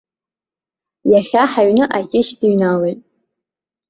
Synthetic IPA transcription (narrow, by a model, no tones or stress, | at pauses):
jaχʲaħaɥnɨʔakʲʼɪʃdiɥnalejtʼ